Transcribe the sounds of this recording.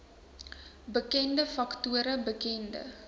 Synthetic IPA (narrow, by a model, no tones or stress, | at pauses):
bəkɛndəfɐktuəɾəbəkɛndə̰